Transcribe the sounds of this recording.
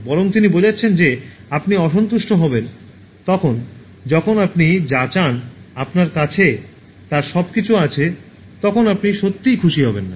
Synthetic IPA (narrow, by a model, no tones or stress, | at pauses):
bɔɾoŋt̪inibod͡ʑʱatːɕʰend͡ʑeapniɔʃont̪uʃʈoɦɔben | t̪ɔkʰon | d͡ʑɔkʰonapnid͡ʑat͡ɕanapnaɾkat͡ɕʰe | t̪aɾʃɔbkit͡ɕʰuat͡ɕʰe | t̪ɔkʰonapniʃot̪ːijkʰuʃiɦɔbenːa